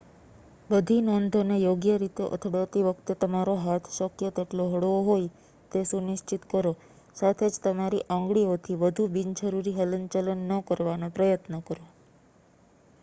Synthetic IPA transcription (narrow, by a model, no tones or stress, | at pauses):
bəd̪ʱinond̪ʱonejoɡjəɾit̪eʔə̰t̪ʰɽot̪iʋəkt̪et̪əmaɾoɦat̪ʰʃəkjət̪eʈloɦəɽoɦoj | t̪esunɪʃt͡ʃit̪kəɾo | sat̪ʰed͡ʒt̪əmaɾiʔɔ̃ŋɡɽiot̪ʰiʋəd̪ʱubint͡ʃʰəɾuɾiɦələnt͡ʃələnːəkəɾʋanopɾəjət̪nəkəɾo